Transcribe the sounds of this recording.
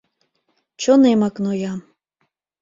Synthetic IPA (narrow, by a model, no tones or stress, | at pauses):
t͡ɕonemɑknojɑm